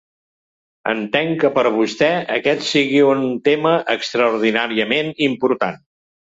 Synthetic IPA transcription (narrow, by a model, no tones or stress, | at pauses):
ə̰nt̪ɛŋkəpəɾβust̪ɛəkɛt̪siɣiunt̪eməʔəkst̪ɾəuɾðinaɾiəmenimpuɾt̪a̰n